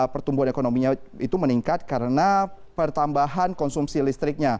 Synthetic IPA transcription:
pərt̪umbuɦanekonomiɲait̪uməniŋkat̪̚kaɾəna | pərt̪ambaɦankɔnsumsilist̪ɾɪk̚ɲa

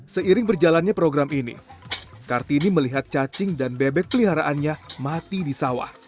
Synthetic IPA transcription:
səiɾɪŋbərd͡ʒalanɲapɾoɡɾaminḭkart̪iːniməliɦat̪̚t͡ʃat͡ʃɪŋdanbebɛk̚pəliɦaɾaʔanɲamat̪idisawa̰h

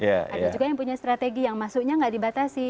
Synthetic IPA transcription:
ja̰a̰dad͡ʒuɡajaŋpuɲast̪ɾat̪eɡijaŋmasukɲaŋɡaʔdibat̪asɪ

